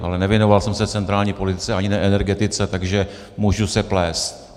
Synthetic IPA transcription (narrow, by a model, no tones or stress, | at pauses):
ʔa̰lɛnɛvjɛnovalsɛmsɛft͡sɛnt̪ɾaːlɲiːpo̞lɪt̪ɪ̥t͡sɛaɲɪnɛʔɛnɛɾɡɛt̪ɪt͡sɛt̪aɡʒɛ | muʒusɛplɛːst̪̚